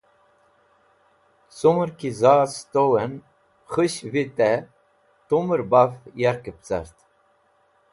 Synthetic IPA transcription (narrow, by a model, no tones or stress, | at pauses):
suməɾkizaːst̪owɛn | χɨɕvit̪ɛ | t̪uməɾbafjaɾkəp̚t͡sa̰ɾt̪